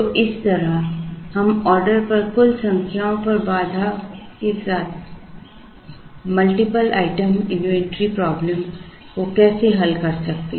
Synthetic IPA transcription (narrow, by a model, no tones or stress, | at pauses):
t̪oʔɪst̪ɐɾəhɐmɔːɾɖəɾpɐɾkʊlsɐ̃ŋkʰjaõpɐɾbaːd̪ʱakesaːt̪ʰ | mɐlʈɪpəla̰ːɪʈəmɪnuʋɛ̃ɳʈɾipɾɔːblə̃m | kokɛːseɦɐlkɐɾsɐk̚t̪e